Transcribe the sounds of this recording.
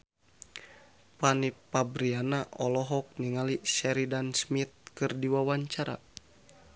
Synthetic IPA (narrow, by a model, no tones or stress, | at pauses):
panipabɾianaʔɔlɔɦɔk̚niŋalisɛɾidansmit̪̚kɨrdiwawaɲt͡ʃaɾa̰